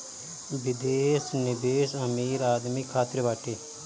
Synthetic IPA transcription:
ʋɪd̪eːsnɪbeːsəmiːɾaːd̪mikʰːaːt̪ɾʋaːʈeː

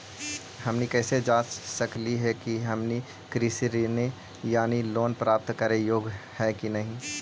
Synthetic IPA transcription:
hɐmnikɛːsed͡ʒaːt͡ʃsəkliɦɛkiɦɐmni | kɾisiɾine | jaːniloːnpɾaːp̚t̪kəɾejoːɡhɛkinɐɦĩ

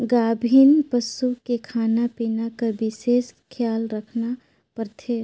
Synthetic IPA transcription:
ɡaːbʱinpəsukekʰaːnapiːnakɐɾbɪʃeːskʰjaːlɾəkʰna | pəɾt̪ʰeː

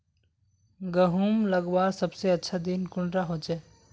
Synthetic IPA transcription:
ɡəɦumləɡbaɾsəbseətːʃʰad̪inkʊɳɖɾaɦot͡ʃɛː

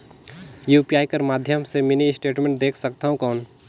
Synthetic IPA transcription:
jupiaːjkəɾmaːd̪ʱjəmseminisʈeʈmẽɳʈ̚d̪ekʰsəkt̪aɦũkəʊn

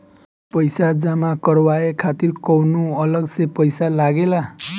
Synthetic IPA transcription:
pʌjsad͡zamakʌrwaekʰat̪irkʌwnuʌlʌɡsepʌjsalaɡela

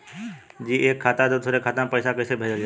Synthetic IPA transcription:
d͡ʒiːʔeːkʰːaːt̪ãd̪ot̪ʰoːɾekʰaːt̪ãpəɪsakəɪsebʱəd͡ʒa

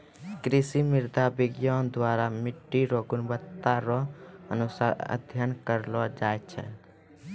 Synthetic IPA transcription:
kɾisimɪɾd̪ʱabiɡjɔnd̪waɾamɪʈːiɾoɡunbət̪ːaɾɔə̰nusaɾə̰d̪ʱjənkəɾlɔd͡ʒajt͡ʃʰɛ̰

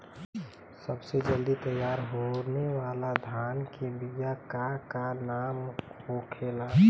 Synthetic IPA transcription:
səbsed͡ʒəld̪it̪əjaːɾɦonewaːlad̪ʱaːnkebijakakanaːmhokʰeːla

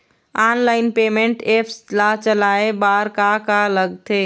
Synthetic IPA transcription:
aːnlaːɪnpeːmeɳʈepʰslat͡ʃəlaːebaːɾkakaləɡt̪ʰe

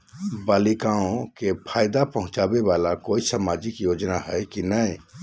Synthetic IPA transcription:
balikaõkepʰajd̪apəɦʊ̃t͡ʃabebalakoisamad͡ʒikjod͡ʒnaɦəjkinəj

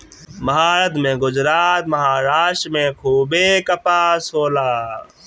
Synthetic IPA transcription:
məɦaːɾət̪mẽːɡʊd͡ʒɾaːt̪məɦaːɾaːʃʈmẽːkʰuːbeːkəpaːsoːlaː

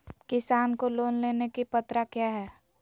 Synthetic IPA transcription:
kɪsaːnkoloːnleːnekipət̪ɾakjaːɦɛː

